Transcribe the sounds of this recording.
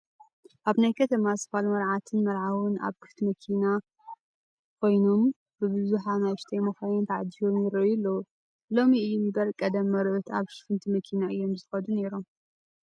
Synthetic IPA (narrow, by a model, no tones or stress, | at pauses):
ʔaβnajkʰɐt̪ʰɐmasɨ̥falmɐɾʕat̪ʰɨnmɐɾʕawʊna̰βkɨ̥ft̪ʰmɐkʰina | kʰo̞jno̞m | bɨbɨzuħanajʃt̪ʰɐjmɐxajɐnt̪ʰaʕd̪iʃomjɪɾɐʔjulːɐwu | lo̞miɨjːumbɐɾkʼɐd̪ɐmːɐɾʔɨt̪aβʃɪ̥fɨnt̪ʰimɐkʰinaɨjːo̞mzɨxɐd̪une̞ɾom